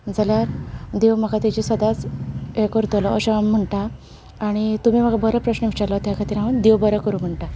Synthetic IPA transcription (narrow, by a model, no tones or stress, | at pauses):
d͡zəljaɾd̪eʋm̤əkat̪id͡ʑisəd̪at͡sekɔɾt̪olɔəɕaam̤əɳʈaː | ɽ̃it̪um̤iːm̤akabəɾəpɾəɕnəʋiʂalɔt̪jakʰat̪iɾaʋənd̪eʋbəɾəkəɾuːm̤əɳʈa